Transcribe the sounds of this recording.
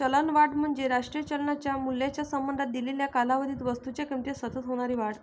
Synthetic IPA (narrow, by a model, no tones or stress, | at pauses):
t͡ɕələnʋaʈm̤əɳd͡ʑeɾaʂʈɾijət͡ɕəlɳat͡ɕjamulːjat͡ɕjasəmbənd̪at̪̚d̪ileljakalaʋəd̪ʱiːt̪ʋəst̪ut͡ɕjakəmt̪esət̪ət̪ɦoɽ̃aɾiːʋaɽ